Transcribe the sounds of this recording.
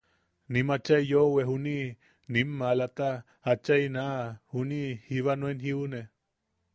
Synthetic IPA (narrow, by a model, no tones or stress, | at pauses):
nimat͡ʃaijoweɦuni | nimːalat̪a | hat͡ʃainaʔhunihiβanwenɦiune